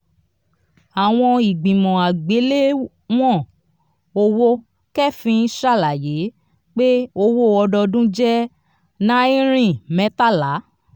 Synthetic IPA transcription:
a˨w̃ɔ̃˧i˨ɡ͡bĩ˨mɔ̃˨a˨ɡ͡be˨˦le˦ | w̃ɔ̃˦˨ | o˧wo˦ | kɛ˦˨fĩ˧˦ʃa˦˨la˨je˨˦ | k͡pe˦o˧wo˦˨ɔ˧dɔ˧dũ˦d͡ʒɛ˦ | nã˦i˦ɾ̃ĩ˦˨mɛ̃˨˦ta˦˨la˨˦

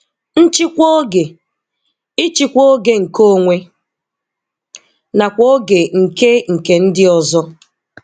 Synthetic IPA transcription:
n̩˦t͡ʃɪ˦kʷo˦ɡe˨ | i˦t͡ʃi˦kʷo˦ɡe˦ŋ̩˨ko˦ŋʷe˦ | na˨kʷo˦ɡe˨ŋ̩˨ke˦ŋ̩˨ke˨n̩˦dɪ˦ɔ˨zɔ˦

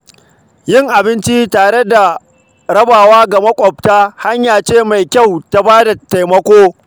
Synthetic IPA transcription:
jɪ˦˨ŋʔa˨bɪ˦nt͡ʃi˦taː˨ɽe˦da˨ | ɾɐ˦baː˨waː˦ɡa˨mɐ˦kʷʼɔ˨b̚taː˦ha˦ɲjaː˨t͡ʃeː˦˨ma˨jkʲa˦˨wta˦baː˦da˨ta˨jmɐ˦kʷoː˦

